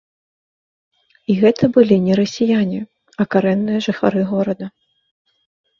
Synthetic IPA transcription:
iɣɛt̪ʰɐbɨlʲinʲɛɾɐsʲijanʲi | ɐkaɾɛnːɨjɐʐɨxa̰ɾɨɣɔɾɐd̪ɐ

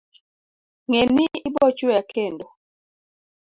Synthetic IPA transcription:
ŋɛniibɔt͡ʃɔjakʰɛndɔ

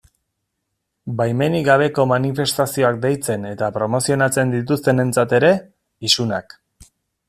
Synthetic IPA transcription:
bajme̞niɣaβ̞e̞ko̞manife̞st̪asio̞ak̚d̪e̞jt͡se̞ne̞t̪apɾo̞mo̞sio̞nat͡se̞nd̪it̪ust̪e̞ne̞nt͡sat̪e̞ɾe̞ | isunak

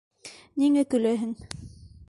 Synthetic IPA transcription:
niŋækɵ̆læɦɘŋ

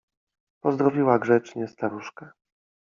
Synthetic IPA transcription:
pɔzd̪ɾɔvʲiwaɡʐɛt͡ʂɲɛst̪aɾuʂka

